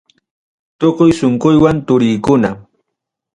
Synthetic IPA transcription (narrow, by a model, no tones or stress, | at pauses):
t̪oqʊjsoɴkʊjwant̪ʊɾɪjkʊna